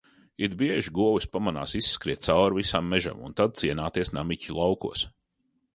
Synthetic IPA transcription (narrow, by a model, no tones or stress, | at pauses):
id̪̚biɛʒiɡuɔwispamana̰ːsisːkɾiɛt̪̚sawɾvisamːɛʒa̰mṵnt̪ad̪̚siɛnaːt̪iɛsna̰micʲulˠawkṵɔs